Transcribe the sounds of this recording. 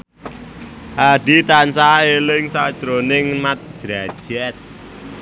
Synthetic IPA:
ʔaɖ̥it̪ansaelɪŋsad̥ʒ̥ɾonɪŋmat̪̚ʒ̥ɾḁʒ̥ɛt̪̚

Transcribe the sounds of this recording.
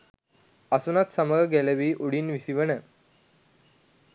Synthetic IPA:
əsunat̪səməlɡɛlɛʋiːʔuɽiːnʋisiʋənə

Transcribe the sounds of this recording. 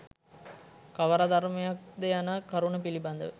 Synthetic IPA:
kɐʋɐɾad̪ɐɾmɐjɐk̚d̪ejanakɐɾuɳɐpilibɐnd̪ɐʋə

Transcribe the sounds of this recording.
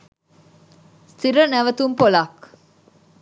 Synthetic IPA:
st̪iɾənæʋɐt̪umpolaːk

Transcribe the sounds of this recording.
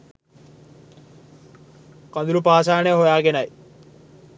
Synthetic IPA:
kɐnd̪uɾupaːs̬aːnejəɦojaːɡenɐj

